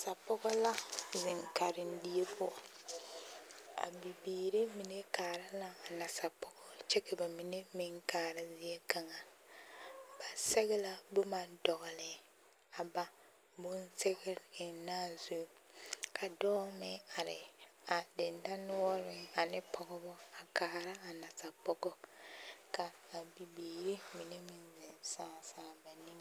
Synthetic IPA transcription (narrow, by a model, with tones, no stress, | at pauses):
sa˨pʊ˦ɣɔ˦la˦zɪ˨ŋka˨ɾɪ˨n˦di˦e˦pʊ˦˨ | a̰˨bi˨biː˨ɾe˦mi˨ne˦kaː˨ɾɪ˦la˦a˨na˨sa˨pʊ˦ɡɔ˦t͡ʃɛ˦ke˨ba˨mi˨ne˦mɪ˦ŋkaː˨ɾɪ˦zɪ˦e˦ka˦ŋa˨ | ba˨sɛ˦ɣɛ˦la˦bʊ˦ma˦ndɔ˨ɣɔ˨lɪ˨ | a˨ba˨ | bʊ˦nte˦ɣɪ˦ɾɪ˨naː˦zu˦˨ | kʰa˨dɔː˦mɪ˦a˨ɾɪ̰˨a˨dɪ˨nda˦nʊ˦ɔ˦ɾɪ˨˦a˨nɪ˦pʰɔ˨ɡɔ˦bɔ˦a˨kaː˨˦˨ɾa˦a˨na˨ta˨pɔ˦ɡɔ˦ | ka˨a˨bi˨beː˨ɾi˦mi˨ne˦mɪ˦nzɪ˨nsaː˦˨saː˦˨ba˨nĩ˦m